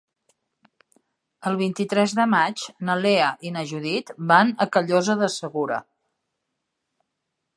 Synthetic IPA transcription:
əlˠβ̞int̪it̪ɾɛzðəmat͡ʃnəleəʔinəʒuðit̪banəkəʎozəðəsəɣuɾə̰

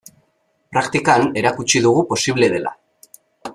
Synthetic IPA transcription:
pɾakt̪ikane̞ɾakut͡ʃiðuɣ̞upo̞siβ̞le̞ð̞e̞lʔa̰

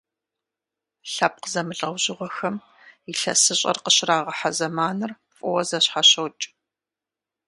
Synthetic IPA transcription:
ɬɐp̚qəzɐmɨɬʼɐwʑɪʁʷɔxɐm | iɬɐ̰sɨɕʼɐ̰rqəɕraːʁɐħazɐmaːnɨr | fʼɔwɐzɐɕħaɕɐwt͡ʃʼ

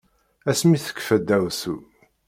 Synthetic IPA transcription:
æsmiθə̥kːfæd̪ːæwsu

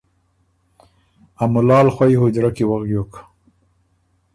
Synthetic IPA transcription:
amʊlɑːlxwajɦʊd͡ʒɾakiwaɣɡjoːk

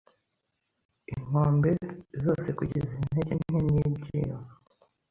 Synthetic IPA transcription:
ḭŋ̥oːmbe̞zo̞ːse̞kuɟezin̥eɟenɲ̥inɲibɟḭːwa

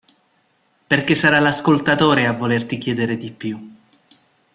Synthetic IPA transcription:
perkesːaɾalaskolt̪at̪oːɾeavːolert̪ik̟ʲjɛːd̪eɾed̪ipːju

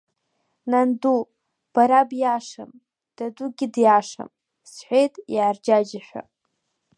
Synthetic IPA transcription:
nandu | b̥aɾabjaʂam | d̥aduɡʲɪdjaʂa̰m | sħʷejtʼjaːrd͡ʒad͡ʒaħʷᶣa̰

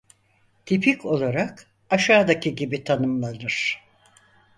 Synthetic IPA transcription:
t̪ʰipʰiko̞lˠaɾak | aʃaːd̪acʰiɟibit̪ʰanɯmlˠanɯɾ̥

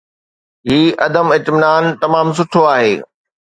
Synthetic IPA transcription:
ɦiːʔɐ̰d̪əmɪt̪mɪnaːnt̪ɐmaːms̬ʊʈʰoaːɦeː

